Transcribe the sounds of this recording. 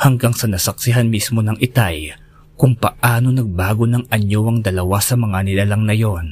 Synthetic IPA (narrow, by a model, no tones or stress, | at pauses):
hɐŋɡaŋsɐnɐsɐk̚sɪɦanmismo̞nɐŋʔɪt̪aj | kʊŋpɐʔaːno̞nɐɡ̚baːɡo̞nɐŋɐɲoʔɐŋd̪ɐlɐwasɐmɐŋanɪlalɐŋnɐjo̞n